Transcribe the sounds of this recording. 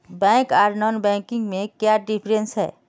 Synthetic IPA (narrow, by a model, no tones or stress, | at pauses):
bɛ̃ːkaːɾnɔːnbɛ̃ːkɪ̃ŋɡmẽkjaɖɪpʰɾə̃nsɦɛ̰ː